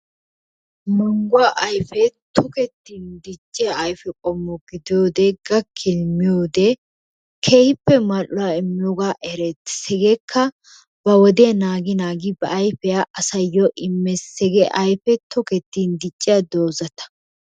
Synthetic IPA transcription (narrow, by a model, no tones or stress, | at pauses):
mɔŋɡʊwaʔɐjfɛt̪ʰʊkɛt̪ːiːnd̪ɪt͡ʃʼːɪjaɐjfɛkʼɔmːɔɡɪd̪ɪjoːd̪ɛɡɐkʰːɪlmːɪjoːd̪ɛ | kʰɛhɪpːɛmalʊwaɪmːɪjoːɡaːʔɛɾɛt̪ːsɛɡɛkʰːɐ | b̥ɐwɔd̪ɛɐnaːɡɪnaːɡɪbɐʔɐjfɛjaʔɐsɐjːɔʔɪmːɛsɛɡɛʔɐjfɛt̪ɔkɛt̪ːiːnd̪ɪt͡ʃʼːɪjad̪o̞ːzɐt̪ɐ̥